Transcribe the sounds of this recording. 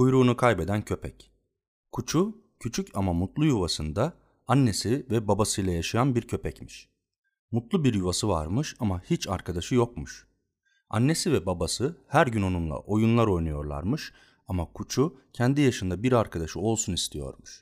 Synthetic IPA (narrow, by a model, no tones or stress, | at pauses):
ujɾuːnukʰajbe̞d̪æncʰø̞pʰɛc | kʰut͡ʃʰu | cʰyt͡ʃʰycʰamamut̪lˠujuvasɯnd̪a | anːe̞sivɛbabasɯjlˠajaʃajanbiɾcʰø̞pɛcmiʃ | mut̪lˠubiɾjuvasɯva̰ɾmɯʃamahit͡ʃʰaɾkʰad̪aʃɯjo̞kmuʃ | a̰nːe̞sivɛbabasɯhæɾɟyno̞nunlˠa̰ʔo̞junlˠaɾo̞jnujo̞ɾlˠa̰ɾmɯʃ | amakʰut͡ʃʰucʰɛnd̪ijaʃɯnd̪abiɾaɾkʰad̪aʃɯo̞lˠsunist̪ʰijo̞̰ɾmuʃ